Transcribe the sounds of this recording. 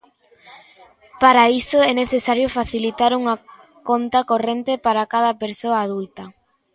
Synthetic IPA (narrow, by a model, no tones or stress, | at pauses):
paɾaisʊɛneθesaɾjofaθilit̪aɾuŋɐ | kont̪ɐkorent̪epaɾakaðɐpeɾsoaːðult̪ɐ